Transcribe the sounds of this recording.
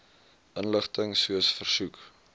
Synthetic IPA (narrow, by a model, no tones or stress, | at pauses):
ʔənləχtəŋsuəsfərsuk